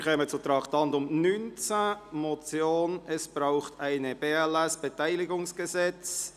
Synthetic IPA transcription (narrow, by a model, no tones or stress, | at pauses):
ɾχɛmət͡sʊtɾɑːktɑndʊmnynt͡samɔt͡sjoːnɛsb̥ɾaʊχtʰaɪnəb̥eːɛlɛsb̥etaɪlɪɡʊŋsɡ̥əzɛt͡s